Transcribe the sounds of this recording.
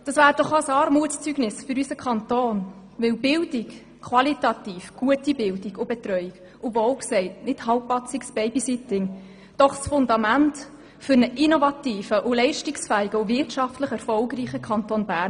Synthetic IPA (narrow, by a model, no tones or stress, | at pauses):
d̥ɑsʋæːɾd̥ɔχɑsɑːɾmuətst͡syɡnɪsfʏɾysəkʰχɑntoːn | ʋɪwbɪldik | kʰwɑlitɑtiːfɡ̥uətibɪldiɡ̥ʊbɛtrœʏiɡ | ʔʊvoʊksɛɪtnɪthɑlpːɑt͡sɪksb̥ɛɪbisɪtɪŋ | d̥ɔχsfʊndɑmænt | fʏɾnəʔinovɑtiːfəʔʊlɛɪʃtɪksfæːɪɡəʊvɪrtʃɑftləχɛrfɔlɡɾiːχəkʰɑntonbæːrn